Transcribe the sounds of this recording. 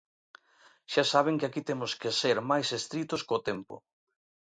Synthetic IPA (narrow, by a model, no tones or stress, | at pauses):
ʃasaβ̞ɪŋkɪakit̪emʊskeseɾmajsest̪ɾit̪ʊskot̪empʊ̰